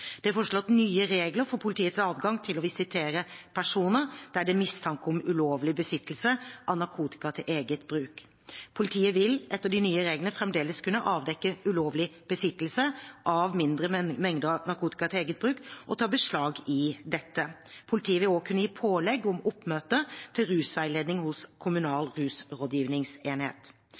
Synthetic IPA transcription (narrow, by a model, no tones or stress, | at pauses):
d̪̥ɛfɔʂlɔt̪ːnyːəɾeːɡləɾfɔɾpʰʊlɪt̪ʰiːət̪sɑːd̪ɡɑŋt̪ʰɪlɔʋɪsɪt̪ʰeːɾəpʰæʂuːnəd̪̥æɖɛmɪst̪ʰɑŋkəɔmʉloːʋlɪbəsɪt̪ːəl̩səʔɑnɑɾkʰuːt̪ɪ̥kɑt̪ʰɪlʔeːɡət̪bɾʉːk | pʰʊlɪt̪ʰiːəʋɪlʔɛt̪ːəɖɪnyːəɾeːɡlənəfɾɛmd̪eːləskʰʉnəʔɑːʋd̪ɛkːəʉloːʋlɪb̥əsɪt̪ːəl̩səʔɑʋmɪnd̪ɾəmɛŋd̪əɑnɑɾkʰuːt̪ɪ̥kɑt̪ʰɪleːɡət̪̚bɾʉːkʔɔt̪ʰɑːbəʂɭɑːɡɪd̪ɛt̪ːəpʰʊlɪt̪ʰiːəʋɪloːkʰʉnəjiːpʰoːlɛɡʊmʊpːmøːt̪ət̪ʰɪlɾʉːsʋæɪleːd̪nɪŋhʊskʰʊmʉnɑːlɾʉːsɾoːd̪jiːʋnɪŋseːnhḛːt̪